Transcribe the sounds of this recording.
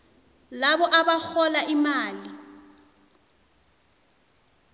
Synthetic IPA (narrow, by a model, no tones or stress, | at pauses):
laβɔʔaβak͡xɔlaʔimaːli